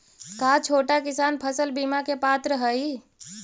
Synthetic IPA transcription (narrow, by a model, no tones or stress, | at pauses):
kat͡ʃʰoːʈakɪsaːnpʰəsəlbimakepat̪ɾəɦəj